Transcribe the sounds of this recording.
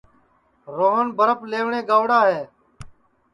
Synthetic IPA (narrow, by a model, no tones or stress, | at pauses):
ɾoːɦənbʱəɾəpleːʋɳeːɡaːʋɽaːɦeː